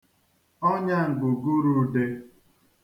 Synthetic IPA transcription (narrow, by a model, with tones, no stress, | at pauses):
ɔ˦ɲa˦ŋ̩˨ɡʊ˨ɡu˦ɾu˦de˦